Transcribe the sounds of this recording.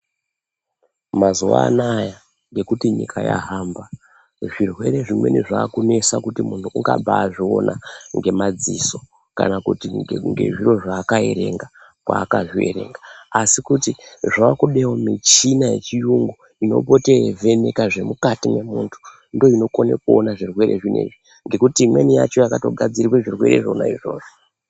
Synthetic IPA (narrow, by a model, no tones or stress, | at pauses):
mazuwa̰naja | ŋɡe̞kutiɲḭkʰaja̰ɦaːmba | ʐirwe̞ɾeʐimwe̞̰niʐaːkune̞sakutimuntʰuʔuŋɡa̰bʱaːʐio̞nʔaŋɡe̞mad͡ziso̞ | ka̰nakutiŋɡe̞̰ʐiro̞ʐaːkaḛɾe̞ŋɡa | kwa̰ːkaʐieɾe̞̰ŋɡaasikutiʐaakuɗewomit͡ʃinajḛt͡ʃijuŋɡu | ino̞̰po̞te̞revʱe̞ne̞kaʐe̞mukatime̞muːntʰu̥ | ndo̞ino̞ko̞nekuonaʐirwe̞ɾeʐinḛʐi | ŋɡe̞kutiːmwe̞nija̰t͡ʃo̞jakato̞ɡʱad͡ziɾikeʐirwe̞̰ɾeʐona̰iʐo̞̰ːʐo